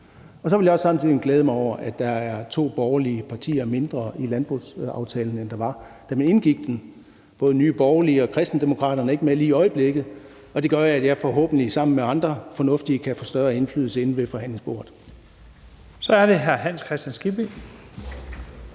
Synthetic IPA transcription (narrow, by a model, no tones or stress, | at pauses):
ɒ̽sɒʋe̝ljɑ̈ɒ̽sːɑ̈mn̩t͡sʰiðˠienɡleːð̞ˠmɑɪɒʊ̰ɐʔæd̥ɑ̈æɐt͡sʰo̝̰ːb̥ɒʊɐliəpʰɑ̈t͡sʰḭːɐme̝nd̥ʁɐilænb̥ʁṵsɑ̈ʊt͡sʰɛ̰ːln̩end̥ɑ̈ʋɑ̈ | d̥æmæne̝nɡ̥iɡ̥d̥en | b̥ɔ̽ːð̞ˠənyːb̥ɒʊɐliəɒ̽kʰʁɛsd̥n̩d̥e̝mo̝kʰʁɑ̰̈ːɾ̥ɐnəɐe̝ɡ̥əmeliːiɒ̽ɪəb̥le̝ɡ̥ð̩ˠ | ɒ̽d̥e̝ɡ̥ɶɐjæd̥jɑ̈fɒ̽ɦɔ̰ːb̥n̩lisɑ̈m̰n̩meɑ̈nd̥ʁɐfɒ̽nɔ̽fd̥iəkʰæfɔːsd̥ɶɐe̝nflyːð̰̩ˠsəe̝nn̩ʋe̝fɒ̽hæn̰le̝ŋsb̥o̝̰ɐ̰ð̩ˠ | sɒ̽æɐd̥e̝ɦæɐɦæn̰skʰʁɛsd̥ænsɡ̥ibi